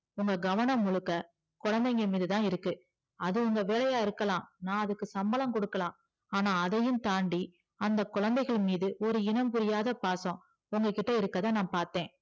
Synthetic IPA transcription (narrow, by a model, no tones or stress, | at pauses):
ʊŋɡɐɡɐʋɐɳɐ̃mːʊɻɯkːɐ | kʊɻɐnd̪ɐŋɡɐmiːðɯt̪ãːɪɾɯkːɯ | ɐðɯʊŋɡɐʋeːlɐjaːɪɾɯkːɐlãːnãːɐðɯkːɯsɐmbɐlɐmkɔɽɯkːɐlãː | aːnaːɐðɐjɯmt̪aːɳɖi | ɐnd̪ɐkʊɻɐnd̪ɐɪɣɐɭmiːðɯʔɔɾɯɪnɐmpʊɾɪjaːðɐpaːsõ | ʊŋɡɐkɪʈːɐɪɾɯkːɐðaːnãːpaːɾt̪ẽː